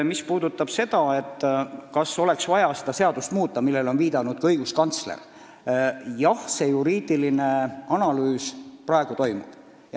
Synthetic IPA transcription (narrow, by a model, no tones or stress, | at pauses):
mispuːd̪ut̪ːˑɑb̥se̞d̪̥ɑe̞t̪ːkɑso̞le̞ksvɑjɑsed̪̥ɑse̞ɑd̪̥ust̪muːt̪ːɑmilːe̞lo̞nviːd̪̥ɑnud̪̥kɤjɡuskɑnt̪slḛr | jɑhse̞juɾiːd̪̥ilineɑnɑlyːsprɑeɡ̥ut̪o̞jmṵb̥ | jɑ